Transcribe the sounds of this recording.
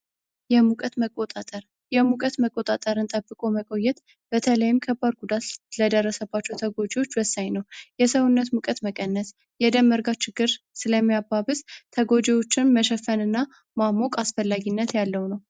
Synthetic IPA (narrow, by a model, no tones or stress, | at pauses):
jɛmukʼət̪məkʼːot̪ʼat̪ʼəɾ | jɛmukʼət̪məkʼːo̞t̪ʼat̪ʼəɾɨnt̪ʼəbːɨkʼo̞məkʼo̞jːɛt̪ | b̥ət̪ʰələjɪmkʰəbːad̪ɡud̪at̪ləd̪ərːəsəbːat͡ʃːɛwt̪ʰəɡo̞d͡ʒewo̞t͡ʃːwəsːaɲnəwjɛsəwunːət̪mukʼət̪məkʼənːəs | jɛd̪əmːəɾɡat͡ʃːɪɡːɨɾ | sɨləmːijabːaβɨzt̪ʰəɡo̞d͡ʒewo̞t͡ʃːɪnməʃɛfənɨnːa | mamokʼasfəlːaɡinːət̪jalːəwnəw